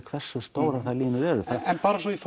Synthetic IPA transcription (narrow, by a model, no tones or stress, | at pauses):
kʰvɛr̥sːʏst̪oːwɾaθaliːnʏɾɛɾʏθaɛnpaːɾasɔif